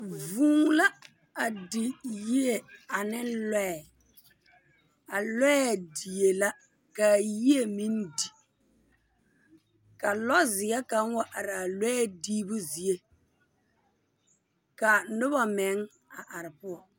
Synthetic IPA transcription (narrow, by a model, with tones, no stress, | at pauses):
vũː˨˦ŋla˦ | a˨dɪ˨ji˦e˨a˨nɪ˦nlɛ˦ɛ˨ | a˨lɛ˦ɛ˦a˨di˨e˨la˦ | ka˨ji˦e˦mi˦ndi˨ | ka˨lɔ˦zɪ˨ɛ˦ka˨˦ŋwa˦ʔa˨ɾa˨lɛ˦ɛ˦diː˦bʊ˦zi˨e˦ | ka˨nʊ˦ba˨mɛ˨˦ŋ | a˨ʔa˨ɾɪ˨pʊ˦ɔ˨